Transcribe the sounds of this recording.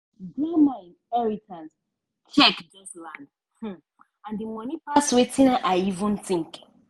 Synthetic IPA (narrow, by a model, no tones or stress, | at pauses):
dimãnɛɹitʰãns | t͡ʃʰɛkd͡ʒɔslãnd̩ | ãndimɔ̃nipaswetʰĩnaʔaɪivũnθĩŋk